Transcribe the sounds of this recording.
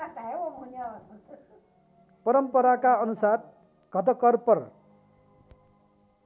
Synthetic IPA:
at̪ajeoɦuneʌbʌsʌt̪ʰ | pʌɾʌmpʌɾakaʌnusar | ɡ̥ʱʌt̪ʌkʌrpʌr

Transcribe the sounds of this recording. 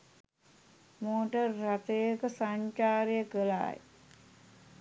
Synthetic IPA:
moːʈərːat̪ejəkəsaɲt͡ʃaːɾijəkəla̰ːj

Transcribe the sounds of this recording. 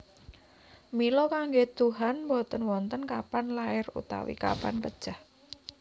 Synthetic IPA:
milɔkaŋɡet̪uɦanmbɔt̪ənwɔnt̪ənkapanlaɪrṵt̪a̰wḭka̰pa̰npəd̥ʒ̥ah

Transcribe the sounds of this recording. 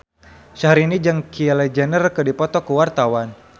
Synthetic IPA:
ʃaɦaɾinid͡ʒaŋkʰiɛlɛd͡ʒɛnərkədipɔt̪ɔkuwart̪awan

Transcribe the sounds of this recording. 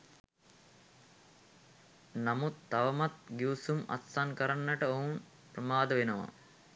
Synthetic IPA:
namut̪ːaʋəmat̪ɡiusuma̰t̪sankəɾanːəʈəoun | pɾəmaːd̪əʋenəʋa̰

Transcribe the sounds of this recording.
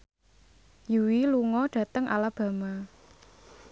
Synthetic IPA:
juwiluŋɔɖ̥ä̤t̪əŋʔa̰lab̥ä̤ma

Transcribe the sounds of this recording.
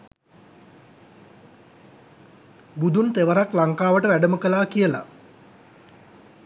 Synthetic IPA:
bud̪unt̪eʋəɾaklaŋkaːʋəʈəʋæɖəməkəlaːkijəla̰

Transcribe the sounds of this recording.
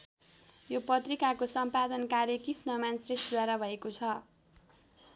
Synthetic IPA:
jopʌt̪rikakosʌmpad̪ʌnkaɾjʌkisnʌmansresʈd̪waɾabʱʌekot͡sʰʌ

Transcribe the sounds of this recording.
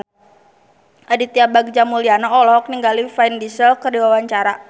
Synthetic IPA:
ʔadit̪iabaɡ̚d͡ʒamulianaɔlɔɦɔk̚niŋɡalifaindisəlkərdiwawaɲt͡ʃaɾa

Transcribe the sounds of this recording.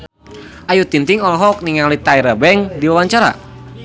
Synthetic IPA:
ʔajut̪int̪iŋɔlɔɦɔk̚niŋalit̪aiɾəbɛŋdiwawaɲt͡ʃaɾa̰

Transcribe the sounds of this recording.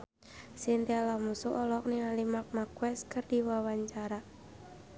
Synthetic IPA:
sint̪ialahmusuʔɔlɔk̚niŋalimak̚makwɛskərdiwawaɲt͡ʃaɾa

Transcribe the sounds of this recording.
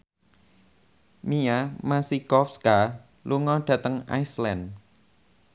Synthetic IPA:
miamasikɔfska | luŋɔɖ̥ä̤t̪əŋa̰islan

